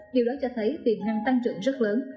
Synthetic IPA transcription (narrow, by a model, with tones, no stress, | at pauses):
ɗi˨˩wɗɔ˨˦t͡ɕɔ˧t̪ʰə˨˦jt̪i˨˩nnaː˨˩ŋt̪a˧ŋt͡ɕɨ̰˧˩əŋzə˦˥t̚ləː˨˦n